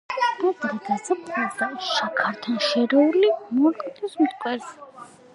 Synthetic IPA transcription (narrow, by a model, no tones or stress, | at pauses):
d̪ad̪ɾad̪asapʰlazaʃakʰaɾt̪ʰanʃɛɾɛuɾlimɔɾkʼɔt̪ʼɛsmt̪kʼwɛɾs